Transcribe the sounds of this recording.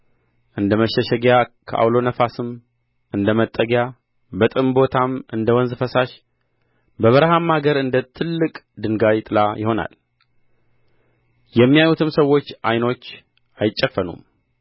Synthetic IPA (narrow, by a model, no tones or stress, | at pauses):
ʔɨnd̪əməʃɛʃɛɡjakʰə̰ʔa̰wlo̞nəfasɨm | ʔɨnd̪əmət̪ʼːəɡja | bət̪ʼɨmbo̞t̪ʰamɨnd̪əwɔnzɨfəsaʃ | bəβəɾhamːaɡəɾɨnd̪ət̪ʰɨlːɨkʼd̪ɨŋɡawit̪ʼɨlajɪho̞na̰l | jɛmːijajut̪ʰɨmsəwːo̞t͡ʃːʔajno̞t͡ʃː | ajɪt͡ʃʼːəfːənṵm